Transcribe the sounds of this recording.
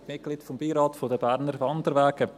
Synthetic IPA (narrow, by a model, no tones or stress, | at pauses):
mɪt̚ɡ̥liːtfombiːɾɑːtfodəbæɾnəɾʋɑnd̪əɾʋɛːɡ̥ə